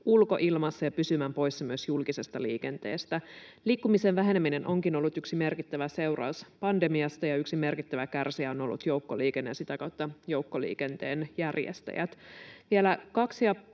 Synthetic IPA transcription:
ulko̞̰ʔilmɑsːɑjɑpysymæːmpo̞jsːɑmyøsjulkise̞st̪ɑliːke̞nt̪ḛːst̪æliːkːumisenʋæɦe̞nemːine̞nʔo̞ŋkino̞lːut̪yksime̞rkit̪ːæʋæse̞wrɑ̰uspɑndemiɑst̪ɑjɑyksime̞rkit̪ːæʋækærsiæono̞̰lːṵt̪jouwkːoliːkenːensit̪ækɑwt̪ːɑjowkːolḭːke̞nt̪ḛːnjærjḛst̪æ̰jæ̰t̪ʋielækɑksjɑ

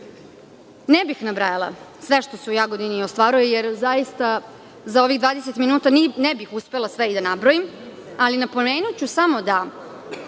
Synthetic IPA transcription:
nebixnabɾajalˠa̰sʋeʃt̪o̞seujaɡod̪iniost̪ʋaːɾujejeɾzajist̪a | zao̞ʋiɣd̪ʋaːd̪eset̪minuːt̪annebixuspe̞lˠasʋeid̪anabɾojim | alinapomeːnut͡ɕusamo̞d̪a

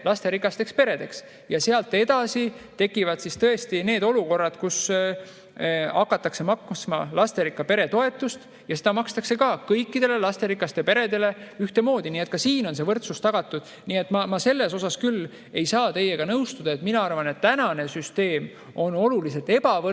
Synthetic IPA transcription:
lɑst̪e̞ɾikːˑɑst̪e̞kspe̞ɾe̞d̪̥e̞ks | jɑse̞ɑlt̪ːˑed̪ɑsit̪e̞kːivɑd̪̥sist̪ɤe̞st̪ine̞ːd̪̥o̞luko̞rːɑd̪̥kus | ɑkːˑɑt̪ːˑɑkse̞mɑksmɑ̰lɑst̪e̞ɾikːˑɑpe̞ɾe̞t̪o̞e̞t̪ːˑust̪ | jɑse̞d̪ɑmɑkst̪ɑkse̞kɑkɤjkːid̪̥e̞le̞lɑst̪e̞ɾikˑɑst̪e̞pe̞ɾe̞d̪e̞le̞yht̪e̞mo̞ːd̪iniːe̞t̪ˑkɑsiːno̞ns̬e̞vɤrt̪sust̪ɑɡ̥ɑt̪ːˑud̪̥ | nie̞t̪ːˑmɑmɑse̞lːe̞so̞sɑskylː | e̞jsɑːt̪e̞jeɡ̥ɑnɤwst̪ud̪̥ɑe̞t̪minɑɑrvɑne̞t̪ːænɑne̞syst̪e̞ːm | o̞no̞luliset̪ːe̞bɑvɤ

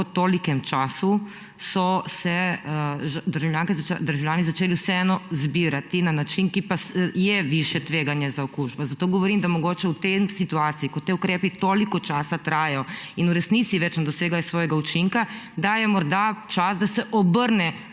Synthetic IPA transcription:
pɔt̪oːlikɛmt͡ʃaːsu | sɔsɛ | ʒd̪əɾʒawljaːŋkɛzd̪əɾʒawljaːnizat͡ʃeːliusɛɛːnɔzbiɾat̪inanat͡ʃinkipasjɛʋiʃjɛt̪ʋeːɡanjɛzaɔkuːʒbɔzat̪oːɡɔʋɔɾiːmd̪amɔɡoːt͡ʃɛwt̪emsit̪uaːt̪siikɔt̪eukɾeːpit̪oːlikɔt͡ʃaːsat̪ɾaːjɔinuɾɛsnit̪siʋɛt͡ʃnɛd̪ɔseːɡlajɛsʋɔːjɛɡaut͡ʃiŋkad̪ajɛmɔɾd̪at͡ʃasd̪asɛʔɔbəɾnɛ

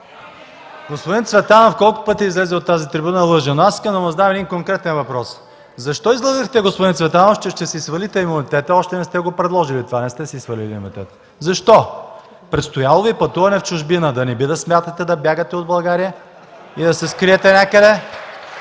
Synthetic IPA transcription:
ɡospʊd̪int̪svɛt̪anəfkɔlˠkʊ̥pɤt̪iːzlɛzɛot̪ːazit̪ɾibunəlˠɤʒənoaskɐnɐmɐzd̪amɛd̪inkoŋkɾɛt̪ɛnvɐpɾɔs | zɐʃt̪ɔizlˠɐvixt̪ɛɡospʊd̪int̪vɛt̪anoʃt̪ɛʃt̪ɛsɛisvɐlit̪ɛimunit̪ɛt̪əɔʃt̪ɛnɛst̪ɛɡopɾɛd̪lˠɔʒilit̪ovanɛst̪ɛsɛisvəlilʲimiṵnit̪ɛt̪ə̥ | zɐʃt̪ɔ | pɾɛt̪st̪ojalˠovipɐt̪uvɐnɛft͡ʃʊʒbinəd̪ɐnɛbid̪ɐsmʲjat̪ɐt̪ɛd̪ɐbʲjaɡət̪ɛod̪bɐlˠɡaɾijə | id̪ɐsɛskɾiɛt̪ɛnʲakəd̪ɛ

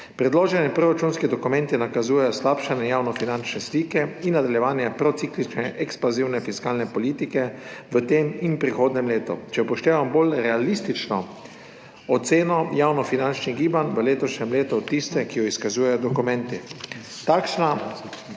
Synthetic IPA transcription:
pɾɛd̪loːʒɛnjɛpɾɔɾat͡ʃunskid̪ɔkumɛ̃nt̪inakazuːjɛjɔslaːpʃanɛjaːwnɔfinant͡ʃnɛsliːkɛinːad̪aljɛʋaːnjɛpɾɔt̪siklit͡ʃnɛʔɛkspaziwnɛfiskaːlnɛpɔliːt̪ikɛʋət̪eːminpɾixoːd̪nɛmleːt̪ɔt͡ʃɛpɔʃt̪eːʋambolɾɛalist̪it͡ʃnɔ | ɔt̪seːnɔjaːwnɔfinant͡ʃniɣɡiːbanʋəleːt̪ɔʃnʲɛmleːt̪ut̪t̪ːist̪ɛkijɔiskazuːjɛjɔd̪ɔkumɛ̃nt̪it̪aːkʃna

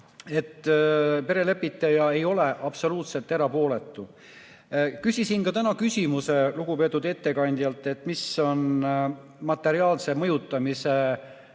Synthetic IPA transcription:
e̞t̪ːˑpe̞ɾe̞le̞pːˑit̪ːˑejɑe̞jo̞le̞ʔɑb̥so̞luːt̪se̞lt̪ːˑe̞ɾɑpo̞ːle̞t̪ːˑu | kysʲisinkɑt̪ænɑkysʲimuse̞luɡupe̞t̪ːˑud̪e̞t̪ːe̞kɑnʲd̪̥jɑlt̪ːˑe̞t̪ːˑmiso̞n | mɑt̪ːˑe̞ɾiɑːlse̞mɤ̞jut̪ːˑɑmise̞

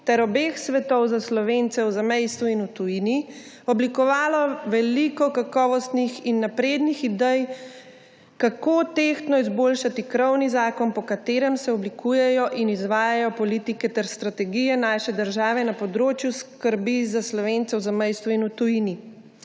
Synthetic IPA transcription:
t̪ɛɾɔbexsʋɛt̪ɔwzaslɔʋent̪sɛwzamɛjst̪uinut̪ujini | ɔblikɔʋaːlɔʋɛlikɔkakɔːʋɔst̪nixinːapɾeːd̪nixid̪ɛj | kakoːt̪ext̪nɔizboːlʃat̪ikɾɔwnizaːkɔnpɔkat̪eːɾɛmsɛɔblikʰuːjɛjɔʔinizʋaːjajɔpɔlit̪ikɛt̪ɛɾst̪ɾat̪ɛɡijɛnaːʃɛd̪əɾʒaːʋɛnapɔd̪ɾoːt͡ʃjuskəɾbizaslɔʋent̪sɛwzamɛjst̪ʋuinut̪ujini

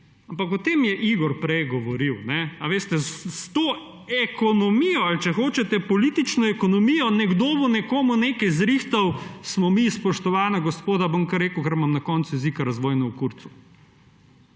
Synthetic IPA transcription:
ampakɔt̪eːmjɛʔiɡɔɾpɾɛjɡɔʋɔɾiwnɛaʋeːst̪ɛsst̪o | ɛkɔnɔmijɔalt͡ʃɛxoːt͡ʃɛt̪ɛpɔlit̪it͡ʃnɔɛkɔnɔmijɔnɛɡd̪oːbɔnɛkoːmunekɛjzɾixt̪ɐwsmɔmispɔʃt̪ɔʋaːnaɡɔspoːd̪abomkɐɾːeːkwkɛɾmamnakɔːnsujɛzikaɾɐzʋɔːjnɔwkuɾt̪su̥

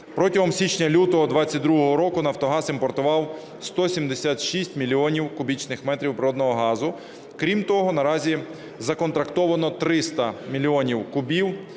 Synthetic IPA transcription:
pɾɔtʲɐɦɔmsʲit͡ʃnʲɐlʲut̪ɔɦɔd̪ʋɑt͡sʲːɐt̚ʲd̪ɾuɦɔɦɔɾɔkʊnɐwt̪ɔɦɑsimpɔrt̪ʊʋɑw | st̪ɔsʲimd̪esʲat̪ʃisʲtʲmʲilʲiɔnʲiwkʊbʲit͡ʃnɪxmɛt̪ɾʲiwpɾɔd̪nɔɦɔɦɑzʊ | kɾʲimt̪ɔɦɔnɐɾɑzʲi | zɐkɔnt̪ɾɐkt̪ɔʋɐnɔt̪ɾɪst̪ɐmʲilʲiɔnʲiwkʊbʲiw

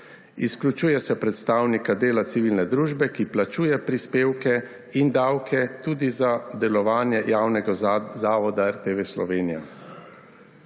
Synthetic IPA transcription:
isklʲut͡ʃuːjɛsɛpɾɛt̪st̪aːwnikad̪eːlat̪siʋilnɛd̪ɾuːʒbɛkiplat͡ʃuːjɛpɾispeːwkɛ | ind̪awkʰɛt̪uːd̪izad̪ɛlɔʋaːnjɛjaːwnɛɡazaːʋɔd̪aɛɾt̪eʋeslɔ̰ʋeːnija̰

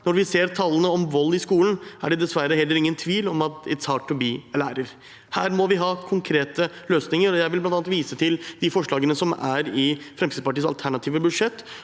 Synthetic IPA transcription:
nɔɾʋɪseːɾt̪ʰɑlːənəɔmʋɔlːɪskuːlən̩æ̰ɖɛd̪ɛsʋæɾːəɦɛlːəɾɪŋːənt̪ʰʋiːlɔmɑt̪ɛ̰t̪sɑːʈʰːɔbiːlæːɾəɾ | hæːɾmɔʋɪɦɑːkʰʊŋkʰɾeːt̪əløːsnɪŋəɾɔjæɪʋɪlblɑnt̪ɑnt̪ʋiːsət̪ʰɪld̪ɪfɔʂɭɑːɡənəsɔmæ̰ɾɪfɾɛmsʰiːd̪pɑʈiːəsɑlt̪ʰæɳɑt̪ʰiːʋəbʉd̪ʂɛt̪ː

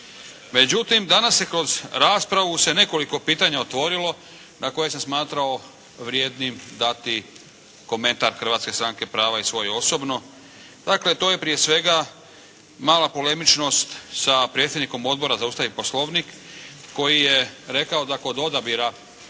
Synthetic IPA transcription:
me̞d͡ʑut̪imd̪anasje̞kɾo̞zɾaːspɾaʋuse̞ne̞ko̞liko̞piːt̪aɲaot̪ʋo̞ɾilo̞ | nako̞jes̬esmaːt̪ɾao̞ | ʋɾjeːd̪nimd̪at̪i | ko̞mẽ̞nt̪aɾxr̩ʋaːt̪ske̞st̪ɾaŋske̞pɾaːʋaisʋo̞juo̞so̞bno̞ | d̪̥akle̞t̪o̞ːje̞pɾije̞sʋe̞ɡa | maːlapo̞le̞mit͡ʃno̞st̪sapɾet̪sʲjed̪niko̞mo̞d̪bo̞ɾazaust̪aʋipo̞slˠo̞ʋnikː | o̞jijeɾe̞kao̞d̪ako̞d̪o̞d̪abiɾa

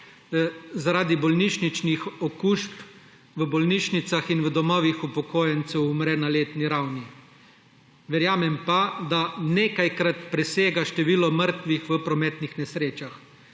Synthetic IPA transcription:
zaɾaːd̪ibɔlniʃnit͡ʃnixɔkuːʃp | ʋəbɔlniːʃnit̪saxinʋəd̪ɔmɔːʋixupɔkoːjɛnt̪sɛwumɾɛnaleːt̪niɾawni | ʋɛɾjaːmɛmpad̪aneːkajkɾat̪pɾɛseːɡaʃt̪ɛʋiːlɔməɾt̪ʋixʋəpɾɔmɛːt̪nixnɛsɾeːt͡ʃax

